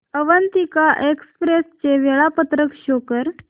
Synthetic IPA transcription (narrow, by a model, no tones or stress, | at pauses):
əʋənt̪ikaʔekspɾest͡ɕeʋeɭapət̪ɾəkɕokəɾ